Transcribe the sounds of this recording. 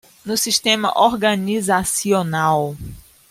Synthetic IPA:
nʊsiʃt̪ẽmɐ̰ʔoɾɡɐnizasionaw

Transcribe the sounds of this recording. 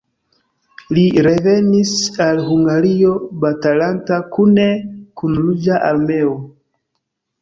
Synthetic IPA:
liɾe̞ve̞nisalɦuŋɡaɾio̞batalantakunekunlud͡ʒaʔaɾme̞o

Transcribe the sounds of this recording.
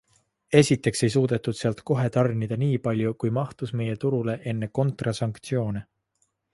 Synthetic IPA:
e̞sʲit̪ːe̞kse̞js̬uːd̪̥e̞t̪ːˑud̪̥seɑlt̪ko̞ɦe̞t̪ɑrnʲid̪̥ɑniːpɑlʲjukujmɑht̪usme̞je̞t̪uɾule̞ʔe̞nːe̞ko̞nt̪rɑsɑŋkt̪sio̞ːne

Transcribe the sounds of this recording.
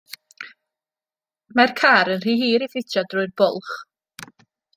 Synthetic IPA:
markʰaɾənr̥iːhiːɾifɪtʰadrʊɨðbʊ̰lˠχ

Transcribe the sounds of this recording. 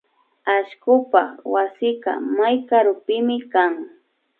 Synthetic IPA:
aʃkʊpa̰wasɪka̰majkaɾʊpɪmɪkaŋ

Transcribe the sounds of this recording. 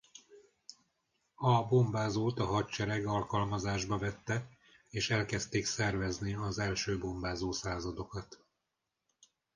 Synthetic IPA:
ɒbo̞mbaːzoːt̪ɒɦɒtt͡ʃɛɾɛɡɒlkɒlmɒzaːʒbɒvɛt̪ːɛ | eːʃɛlkɛst̪eːksɛrvɛzniɒzɛlʃøːbo̞mbaːzoːsaːzɒd̪o̞kɒt̪

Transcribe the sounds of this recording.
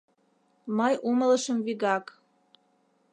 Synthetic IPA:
məjʔumələ̆ʃə̆mviɡɑk

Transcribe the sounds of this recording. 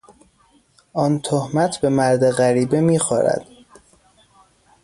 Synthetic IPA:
ʔɒːnt̪ʰohmæt̪ʰbe̞mæɾd̪eɣæɾiːbemiːxɒːɾæ̰d̪̥

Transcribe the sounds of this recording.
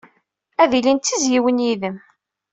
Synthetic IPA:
æðilint̪ːizjiwənjiðəm

